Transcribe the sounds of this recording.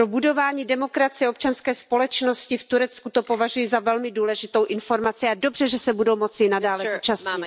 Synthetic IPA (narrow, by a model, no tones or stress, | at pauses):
ɾobudo̞vaːɲiːdɛmo̞kɾat͡sɪjɛop̚t͡ʃanskɛːspolɛt͡ʃno̞scɪft̪uɾɛt͡skut̪o̞po̞vaʒujizavɛlmɪduːlɛʒɪt̪o̞wʔɪnfo̞ɾmat͡sɪado̞br̝ɛʒɛsɛbudowmo̞t͡sɪnadaːlɛzuːt͡ʃasɲɪt̪